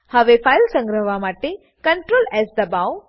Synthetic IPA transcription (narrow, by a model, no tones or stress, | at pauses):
hɐʋefaːjlsə̃ŋɡɾəʋamaːʈe | kɐɳʈɾoːlɛzd̪ɐbaw